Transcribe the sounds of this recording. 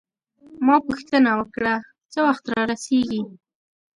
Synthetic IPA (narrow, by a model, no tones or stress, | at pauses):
mɑpuxt̪ənawəkɽa | t͡səwaxt̪ɾɑɾaseɡi